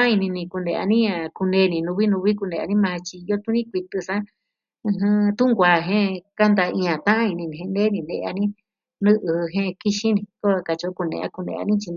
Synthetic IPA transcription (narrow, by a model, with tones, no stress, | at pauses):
a˦i˧nĩ˧nĩ˧ku˧ndḛ̃˧a̰˧nĩ˦ã˧ku˧nẽ˧˦˧nĩ˧˨nũ˧βi˦nũ˧βi˦ku˧nẽ˧a̰˧nĩ˦mã˧t͡ʃi˧jo˦t̪u˦nĩ˦kʷi˧t̪ɨ˧sã˦ | ɨ̃˧ɦɨ̃˧t̪ũ˦ŋɡʷa˨ɦẽ˦ka˦nd̪a˧ĩ˧ã˨t̪ã˦ʔã˦i˧nĩ˧nĩ˨hẽ˧ne˦nĩ˧nḛ˧ʔa̰˧nĩ˦ | nɨ̃˦ʔɨ˧ɦẽ˦˧ki˦ʃĩ˦nĩ˧ko˦a˧ka˧t͡ʃo˧˦ku˧nḛ̃˧a̰˦˧ku˧nḛ̃˧a̰˧nĩ˦t͡ʃi˧n